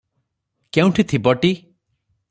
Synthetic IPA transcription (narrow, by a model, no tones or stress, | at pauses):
kew̃ʈʰit̪ʰibɔʈi